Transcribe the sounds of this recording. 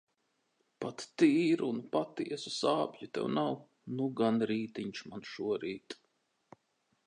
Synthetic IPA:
pat̪ːiːɾnpat̪iɛsusaːpjut̪ɛ̰wnaw | nuɡanɾiːt̪iɲʃmanʃuɔɾiːt̪

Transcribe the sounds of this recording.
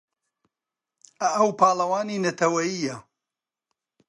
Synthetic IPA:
ɐʔɐwpaːlˠɐwaːniːnɐt̪ʰɐwɐjijɐ

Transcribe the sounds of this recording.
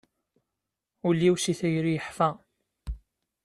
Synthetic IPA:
ulːiwsiθæjɾijəħfæ

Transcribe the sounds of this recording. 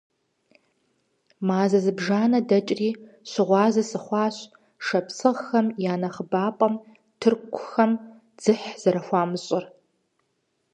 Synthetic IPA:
maːzɐzɨbʒaːnɐdɐt͡ʃʼriː | ɕɪʁʷɑːzɐsɨχʷɑːɕʼ | ʂɐpsʰɨʁxɐmjaːnɐχəbaːpʼɐm | tʰɨrkʷʰʊxɐm | d͡z̥ɨħz̥ɐɾɐxʷɑːmɨɕʼɪr

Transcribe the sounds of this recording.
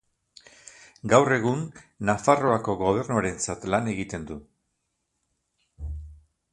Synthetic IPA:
ɡawre̞ɣ̞unːafaro̞ako̞ɣo̞β̞e̞ɾnuaɾe̞nt͡sat̪lane̞ɣit̪e̞nd̪u

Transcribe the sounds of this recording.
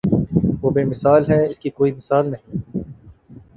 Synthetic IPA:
ʋoːbemɪsaːlɦɛɪskikoːimɪsaːlnɐɦĩː

